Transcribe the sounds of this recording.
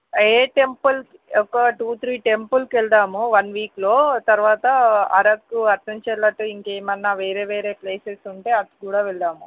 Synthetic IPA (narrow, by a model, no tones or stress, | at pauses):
eːʈempɐl | ɔkːɐʈuːt̪ʰɾiːʈempulkɛɭd̪aːmuʋɐnʋiːklo̞ːt̪ɐɾʋaːt̪ɐɐ̰ɾɐkːuɐɾt̪ʰɐɲt͡ʃɛlːɐʈːuiŋkeːmɐnːɐʋeːɾeːʋeːɾeːpleːsesuɳʈe̞ːɐt̪i̥kuːɽaːʋɛɭːaːmu